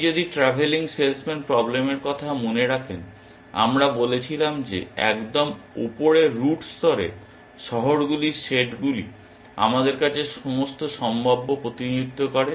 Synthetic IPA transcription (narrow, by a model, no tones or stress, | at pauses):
d͡ʑod̪iʈɾabʱeliŋselsmenpɾɔblemeɾkɔt̪ʰamoneɾakʰen | a̰mɾabolet͡ɕʰilamd͡ʑḛɛ̰kd̪omṵpoɾeɾuʈst̪ɔɾḛ | ʃɔɦoɾɡuliʃeʈɡulḭ | a̰mad̪eɾkat͡ɕʰeʃomost̪oʃɔmbʱabːopɾot̪id͡ʑut̪ːokɔɾe